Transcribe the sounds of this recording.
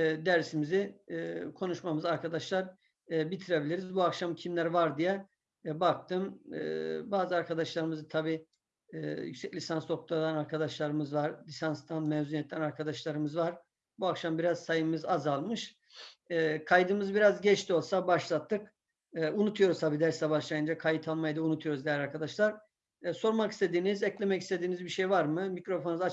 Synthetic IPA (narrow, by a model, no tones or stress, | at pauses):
ɛd̪æɾsimiziːkʰo̞nuʃmamɯzaɾkʰad̪aʃlˠaɾ | bit̪ʰiɾebilʲiɾizbuakʃamcʰimlʲæɾvaɾd̪ijɛ | bak̚t̪ʰɯm̰ː | baːzɯaɾkʰad̪aʃlˠaɾɯmɯzɯt̪ʰabiː | jy̰kʲsɛclʲisanst̪o̞k̚t̪ʰad̪ˠanaɾkʰad̪aʃlˠaɾɯmɯzvaɾlʲisanst̪ʰanmɛvzunijɛt̪ʰːʲænaɾkʰad̪aʃlˠaɾɯmɯzvaɾ̥ | buakʃambiɾazsajɯmɯzazalˠmɯʃ | ɛːkʰajd̪ɯmɯzbiɾazɟɛt͡ʃt̪ʰio̞lˠsabaʃlˠat̪ʰːɯk | ɯunut̪ʰujo̞ɾuzt̪ʰabiːd̪æɾsabaʃlˠajɯnd͡ʒakʰajɯt̪ʰalˠmajd̪ɯunut̪ʰujo̞ɾuzd̪ejælʲaɾkʰad̪aʃlˠaɾ | so̞ɾmaki̥st̪ʰe̞d̪iːnizɛclʲemɛcist̪e̞d̪iːnizbiʃejvaɾmɯmicɾo̞fonuza